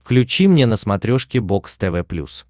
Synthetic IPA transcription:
fklʲʉt͡ɕimnʲenəsmɐt̪ɾʲoʂkʲɪbokst̪ɛvɛplʲṵs

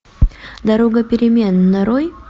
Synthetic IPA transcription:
d̪ɐɾoɡəpʲɪɾʲɪmʲenːɐɾoj

